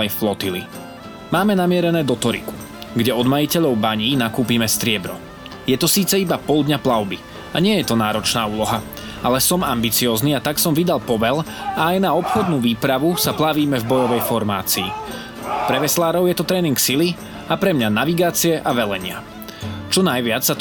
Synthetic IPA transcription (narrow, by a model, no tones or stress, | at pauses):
ɛnflɔt̪ilḭ | maːmɛnamɪɛɾɛnɛːd̪ɔt̪ɔɾḭku̥ | ɡɟɛɔd̪majicɛʎɔʊbaɲiːnakuːpiːmɛst̪ɾɪɛbɾɔ | jɛt̪ɔsiːt͡sɛibapɔlˠd̪ɲaplaʊbi | aɲɪɛjɛt̪ɔnaːɾɔt͡ʃnaːuːlɔɦa | ʔalɛsɔmambit͡siɔːzniːat̪aksɔmʋid̪alpɔʋɛlaːjnaɔpxɔd̪nuːʋiːpɾaʋusaplaʋiːmɛvbɔjɔʋɛjfɔɾma̰ːt͡sḭː | pɾɛʋɛslaːɾɔʊjɛt̪ɔt̪ɾɛːniŋksili | apɾɛmɲanaʋiɡaːt͡siɛʔaʋɛlɛɲɪa̰ | t͡ʃɔnajʋɪat͡ssa